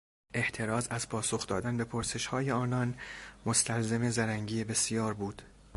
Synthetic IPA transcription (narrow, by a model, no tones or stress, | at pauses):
ʔe̞ht̪ʰe̞ɾɒːzæzpʰɒːso̞xd̪ɒːd̪ænbe̞pʰoɾse̞ʃhɒːje̞ɒːnɒnmost̪ʰælzeme̞zæɾæŋɟiːjebe̞sijɒːɾbuːd̪̥